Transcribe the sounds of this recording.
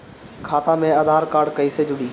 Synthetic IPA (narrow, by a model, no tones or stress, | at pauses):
kʰaːt̪ãmẽɐd̪ʱaːɾkaːɾɖkɐiːsed͡ʑʊɗiː